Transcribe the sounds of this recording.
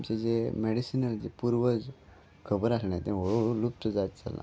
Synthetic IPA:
mt͡ɕed͡zemeɽisinəld͡zepuɾʋəd͡z | kʰəbəɾasnat̪ẽʋoɭoɭolup̚t̪əd͡zat̪t͡sa̰lã̰

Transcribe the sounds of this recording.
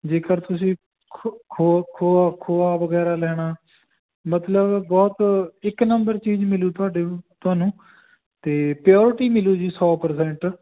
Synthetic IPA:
d͡ʒeːkəɾt̪ʊsĩː | kʰokʰoːaːkʰoːaːʋəɡɛːɾaːlɛːɽ̃aː | mət̪ləbbɔːt̪ɪknəmbəɾt͡ʃiːd͡ʒmɪluːt̪ʊaːɖet̪ʊaːnũː | t̪eːpɾjɔːɾɪʈiːmɪluːd͡ʒiːsɔːpəɾsɛ̃ːɳʈ

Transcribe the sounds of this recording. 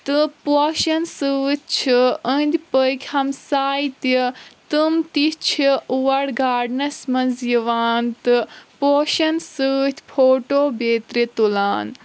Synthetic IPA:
t̪ɨpoʃɐnsɨt̪̚ʲʰt͡ʃʰiə̃nd̪ʲpəjkʰʲhɐmsaːjit̪it̪ɨmt̪it͡ʃʰiuʋɐɽɡaːɖnɐsmɐnzjiʋaːnt̪ɨpoːʃɐnsɨt̪ʰʲpʰoːʈoːbeːt̪ɾit̪ulaːn

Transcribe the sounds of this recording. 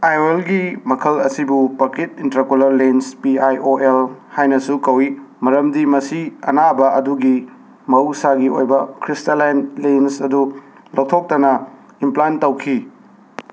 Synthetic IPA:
ajoelɡimɐkʰɐlɐsibupɐket̚intɾakolɐɾlenspiajʔoelhajnɐsukɐwimɐɾɐmdimɐsiɐ̰nabɐʔɐduɡi | mɐusaɡio̰jbɐkʰɾistalajnlensɐdu | lok̚tʰok̚tɐnɐ | implajntɐwkʰi

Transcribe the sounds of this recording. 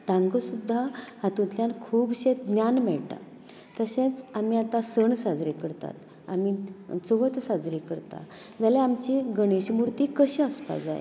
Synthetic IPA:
t̪ãŋɡəsud̪ʱːahãt̪ũt̪ljankʰuːbɕẽt̪̚ɡ̪njanmɛɭʈ̪a̰ | t̪əsẽt͡samiat̪ãsəɳsad͡zɾikəɽt̪a̰t̪ | a̰mit͡soʋət̪sad͡zɾikəɽt̪a̰ | d͡zaleamt͡ɕiɡəɽ̃eɕmuɾt̪iːkəɕeəspa̰d͡za̰j̰

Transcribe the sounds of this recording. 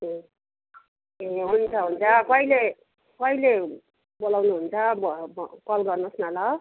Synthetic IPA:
e | eɦunt͡sʰʌɦunt͡sʰʌkʌile | kʌile | bolawnuɦunt͡sʰʌbkʌlɡʌrnʌsnalʌ

